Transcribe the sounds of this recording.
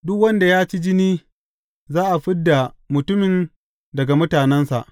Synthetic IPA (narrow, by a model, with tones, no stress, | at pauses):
dʊ˦kwɐ˦nda˨jaː˦t͡ʃi˦d͡ʒɪ˦niː˦ | zaː˦ʔa˨ɸɪ˦dːa˨mʊ˨tʊ˦mɪ˨n | dɐ˨ɡa˨mʊ˦taː˨nɛ˦nsa̰˨ʔ